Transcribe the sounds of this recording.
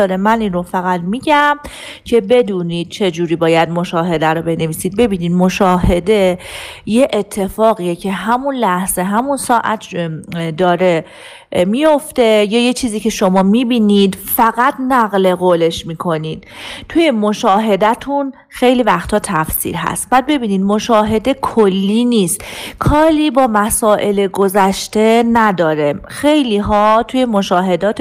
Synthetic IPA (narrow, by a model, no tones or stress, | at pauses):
ɾemæninrofæɣæd̪miːɟæm | cʰe̞be̞d̪uːniːd̪̥̚t͡ʃʰe̞d͡ʒuːɾiːbɒːjæd̪̚mo̞ʃɒːɦe̞d̪æɾobe̞ne̞viːsiːd̪̚be̞biːniːd̪mo̞ʃɒːhe̞d̪e̞je̞ʔːt̪ʰːe̞fɒːɣijecʰe̞ɦæmunlæhz̥e̞ɦæmunsɒːʔæ̰t̪ʰd̪ɒːɾe̞ | mijo̞ft̪e̞jɒːjet͡ʃʰiːziːcʰe̞ʃo̞mɒːmiːbiːniːd̪fæɣæt̪næɣle̞ɣoːle̞ʃmiːkʰo̞niːd̪̥t̪ʰuje̞moʃɒːɦe̞d̪æt̪ʰun | xe̞jliːvæxt̪ʰɒːt̪ʰæfsḭːɾɦæ̰st̪̚b̥æːd̪̚be̞biːniːd̪mo̞ʃɒːɦe̞d̪e̞kʰolːiːniːst̪kʰɒːɾiːbɒːmæsɒːʔe̞leɡo̞zæʃt̪e̞næd̪ɒːɾexe̞jliɦɒːt̪ʰujemoʃɒːɦe̞d̪ɒːt̪